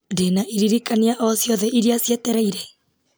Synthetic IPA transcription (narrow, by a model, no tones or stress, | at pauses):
ndenaʔiɾiɾikaniaʔɔsjɔðɛiɾiasjɛtɛɾaiɾe